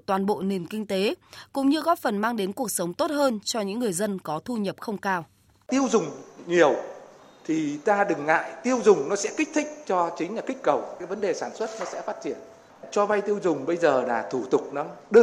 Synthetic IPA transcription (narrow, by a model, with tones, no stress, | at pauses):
t̪waː˨˩nɓo̰˧˨ne˨˩nkï˧ŋ̟t̪e˨˦kʊ̰˧˥ŋ͡mɲɨ˧ɣɔ˦˥p̚fə˨˩nmaː˧ŋɗe˨˦nku˨˩ək̚sə˨˦wŋ͡mt̪o˦˥t̚həː˧nt͡ɕɔ˧ɲɨ̰˧˥ŋːɨ˨˩əjzə˧nkɔ˨˦t̪ʰu˧ɲə˨˩p̚xə˧wŋ͡mkaː˧w | t̪i˧əwzʊ˨˩ŋ͡mɲi˨˩əw | t̪ʰi˨˩t̪aː˧ɗɨ˨˩ŋːa̰ː˧˨jt̪i˧əwzʊ˨˩ŋ͡mnɔ˨˦sɛ̰˧˥kï˦˥k̟̚t̪ʰï˦˥k̟̚t͡ɕɔ˧t͡ɕï˨˦ŋ̟laː˨˩kï˦˥k̟̚kə˨˩wkaː˨˦jvə˨˦nɗe˨˩saː˧˩nswə˦˥t̚nɔ˨˦sɛ̰˧˥faː˦˥t̚t͡ɕi˧˩ən | t͡ɕɔ˧va˧jt̪i˧əwzʊ˨˩ŋ͡mɓə˧jzəː˨˩laː˨˩t̪ʰu˧˩t̪ʊ˨˩k͡p̚nɔ˨˦ɗɨ˧